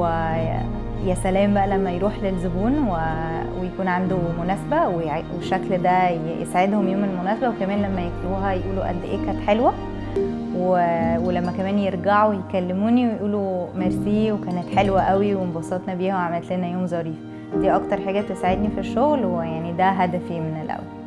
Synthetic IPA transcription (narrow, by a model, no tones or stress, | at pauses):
e | jæsælæːmbæʔælæmːæjɾuːħlelzobuːnwe | wejækuːnʕand̪omonæːsebæweweʃːækld̪æ | jḛsaʕed̪homjoːmelmonæːsæbæwekæmæːnlæmːæjekt̪uːɦæjeʔuːloʔæ̰d̪ːʔeːkæt̪ħelwæ | wewelæmːækæmæːnjeɾɡaʕowejekælːemuːniwejʔuːlomeɾsiːwekæːnet̪ħelwæʔæwiwembɑsɑt̪nɑbiːhæʕamælt̪lenæjoːmzˤɑɾiːf | d̪iːʔɑkt̪ɑɾˤħaːɡæt̪esaʕed̪nifiʃːoɣlwejaʕnid̪æɦæd̪æfimenelʔæ̰wæl